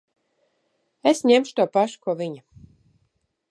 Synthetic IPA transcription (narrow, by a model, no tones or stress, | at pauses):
esɲemʃu̥t̪uɔpaʃu̥kuɔvʲiɲa